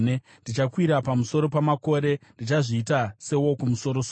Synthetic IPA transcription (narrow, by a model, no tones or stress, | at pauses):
e | ndit͡ʃakwiɾapamuso̞ɾo̞pamako̞ɾe̞ndit͡ʃaʐiːtase̞wo̞kumuso̞ɾo̞so